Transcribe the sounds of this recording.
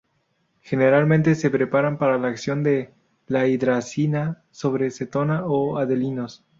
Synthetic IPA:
xe̞neɾalmẽnt̪e̞se̞pɾe̞paɾampaɾalaːksjo̞nd̪e̞ | laid̪ɾasina | so̞βɾeset̪o̞naʔoaðelino̞s

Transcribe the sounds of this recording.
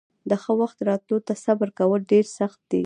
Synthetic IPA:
d̪əxəwaxt̪ɾɑt̪lot̪asabɾkawəlɖeɾsaxt̪̚d̪ḛ

